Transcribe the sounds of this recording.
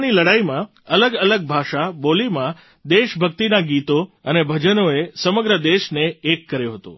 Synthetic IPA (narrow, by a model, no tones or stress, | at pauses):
niləɽaimã | ələɡələɡ̚bʱaʃabolimã | d̪eʃbʱək̚t̪inaɡit̪oənebʱəd͡ʒənoesəməɡɾəd̪eʃneːkːəɾjoɦət̪o̰